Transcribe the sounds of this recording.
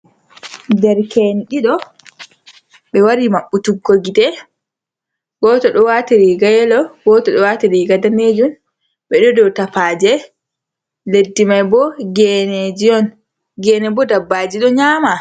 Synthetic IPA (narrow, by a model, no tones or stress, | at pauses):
dɛɾkeniɗiɗɔ | ɓɛwaɾimaɓːutuɡːoɡidɛ | ɡɔtɔɗɔwatiɾiɡajɛlɔɡɔtɔɗɔwatiɾiɡadaned͡ʒun | ɓɛɗɔdɔwtapad͡ʒɛ | ledːimajbɔɡɛned͡ʒiɔn | ɡɛnɛbɔdabːad͡ʒiɗɔɲaːma